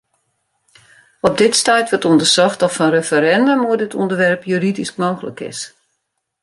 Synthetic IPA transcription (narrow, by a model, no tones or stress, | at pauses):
ɔp̚dɪtstɛjtʋətundərsɔxtɔtfɔnrefəɾɛndomuədɪtʰɔ̰ndəʋɛrpjyːɾidisk̚moːxələ̰kɪ̰s